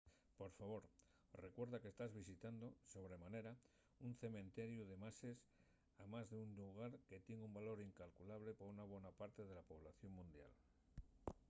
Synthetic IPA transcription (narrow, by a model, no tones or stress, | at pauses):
po̞ɾfaβ̞o̞ɾ | re̞kwe̞ɾðake̞st̪azβisit̪and̪o̞so̞βɾe̞mane̞ɾa | unθe̞mẽnt̪e̞ɾjuðe̞mase̞s | amazðeunluɣ̞aɾke̞t̪je̞ŋɡumbalo̞ɾiŋkalkulaβ̞le̞poɾunaβ̞we̞napaɾt̪e̞ð̞e̞lapo̞β̞laθjo̞ŋmũnd̪ja̰l